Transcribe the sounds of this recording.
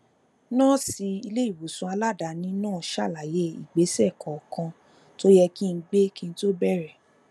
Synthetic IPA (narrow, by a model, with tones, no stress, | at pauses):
nãː˦˨si˧i˧le˦i˦˨wu˨sũ˧˦a˧la˦˨da˨˦nĩ˨˦nãː˦˨ʃa˦˨la˨je˨˦ḭ˨ɡ͡be˨˦sɛ˦˨kʰɔ˨kã˧ | to˦jɛ˧ki˦˧˦ɡ͡be˦kĩ˧n̩˧˦to˦bɛ˦˨ɾɛ˨